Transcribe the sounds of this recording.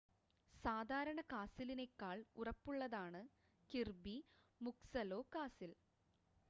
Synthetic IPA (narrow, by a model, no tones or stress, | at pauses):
saːd̪ʱaːɾɐɳɐkaːsiline̞kːaːɭurɐpːuɭːɐðaːɳɨ | kirbi | muksɐlo̞ːkaːsil